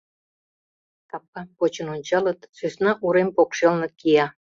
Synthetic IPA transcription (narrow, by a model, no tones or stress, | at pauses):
t̪ɑp̚ːɑkot͡ɕənonʲt͡ɕɑlət̪søsnɑʔuɾempokʃelnɤ̆kijɑ